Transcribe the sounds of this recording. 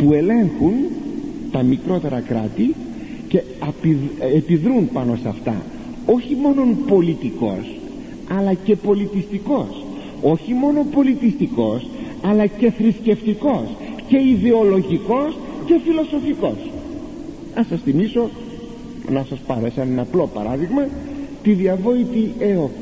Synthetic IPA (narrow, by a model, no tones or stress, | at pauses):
pue̞le̞ŋxunt̪ɐmikɾo̞t̪e̞ɾɐkɾɐ̰t̪i | ce̞ | ɐpiepiðɾunpɐno̞sɐft̪ɐ̰ | o̞çimo̞no̞npo̞lit̪iko̞̰s | ɐlɐce̞po̞lit̪ist̪iko̞s | o̞çimo̞no̞po̞lit̪ist̪iko̞s | ɐlɐce̞θɾisce̞ft̪iko̞sce̞iðe̞o̞lo̞ʝiko̞sce̞filo̞so̞fiko̞s | nɐsɐsθimiso̞ | nɐsɐspɐɾo̞esɐnmɐplo̞pɐ̰ɾɐðiɣmɐt̪iðiɐvo̞it̪ieo